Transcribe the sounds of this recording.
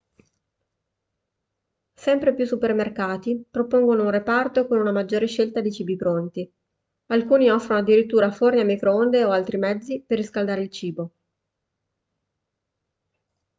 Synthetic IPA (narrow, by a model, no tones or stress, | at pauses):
sɛmpɾepjusːupermerkaːt̪ipɾopoŋɡonounrepart̪okonunamad͡ʒːoːɾeʃelt̪ad̪it͡ʃiːbipɾont̪i | alkuːniɔfːɾonoad̪ːiɾit̪ːuːɾaforneamikɾoond̪eoalt̪ɾimɛd̪zːiperːiskald̪aːɾeilt͡ʃiːbo